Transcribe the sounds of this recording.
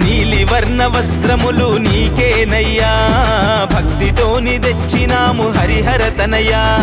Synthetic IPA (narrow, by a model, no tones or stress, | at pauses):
niːliʋɐɾnɐʋɐst̪ɾɐmuluniːkeːnɐjːaː | bʱɐk̚t̪id̪oːnid̪et͡ʃːinaːmuɦɐɾiɦɐɾɐt̪ɐnɐjaː